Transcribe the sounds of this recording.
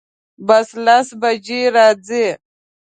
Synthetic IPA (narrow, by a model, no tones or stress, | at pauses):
bɐslasbɐd͡ʑiɾaːd͡zi